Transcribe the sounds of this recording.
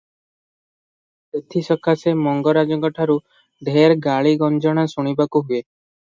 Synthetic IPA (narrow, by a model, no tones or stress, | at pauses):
et̪ʰisɔkʰasemɔŋɡɔɾad͡ʒɔɡɔʈʰaɾu | ɖʱeɾɡaɭiɡɔnd͡ʒɔɽ̃asuɽ̃ibakuɦue